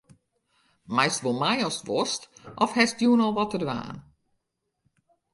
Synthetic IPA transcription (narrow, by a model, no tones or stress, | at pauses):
mɛjstʋolˠmajɔstʋɔstʔɔfhɛsdjuːnɔlˠʋɔtədʋa̰ːn